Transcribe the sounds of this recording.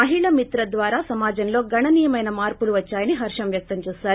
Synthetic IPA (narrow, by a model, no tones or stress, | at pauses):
mɐɦiɭɐmit̪ɾɐd̪ʋaːɾaːsɐmaːd͡ʒɐnlo̞ːɡɐɳɐniːjɐmɐjnɐmaːɾpuluʋɐt͡ʃːaːjɐniɦɐɾʂɐmʋjɐk̚t̪ɐmt͡ʃɛːsaːɾu